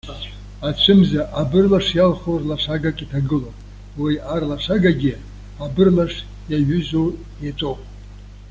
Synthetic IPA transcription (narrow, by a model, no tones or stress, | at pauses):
at͡ʃʷʰɨmzaʔabɨrlaʂjalχorlaʂaɡakʼitʰaɡɨlopʼ | wijarlaʂaɡaɡʲɪ | abɨrlaʂ | jaɥʏzo | jet͡sʷʼowpʼ